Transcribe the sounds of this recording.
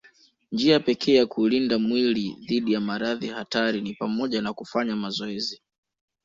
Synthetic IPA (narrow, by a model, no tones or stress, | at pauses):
nd͡ʒiapɛkʰɛːjakulindamwiliðiɗijamaɾaðihataɾinipamɔʄanakufaɲamazɔɛzi